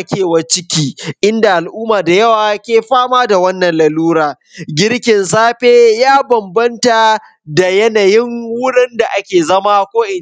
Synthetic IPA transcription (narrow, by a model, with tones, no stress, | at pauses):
ʔa˦kʲeː˨wɐ˦t͡ʃɪ˦kʲiː˦ʔɪ˦nda˨ʔa˨lʔʊː˦maː˨da˨jɐ˦waː˨kʲeː˨ɸaː˦maː˦da˨wɐ˦nːɐ˨nlɐ˨luː˦ɾaː˨ | ɡʲɪ˦ɽkʲɪ˨nsaː˦ɸeː˦jaː˦bɐ˨mbɐ˦nta˨ | da˨jɐ˦na˨jɪ˦ŋwʊ˦ɽɪ˦nda˨ʔa˦kʲeː˨zɐ˦maː˦kʷoː˦ʔɪ˨n˨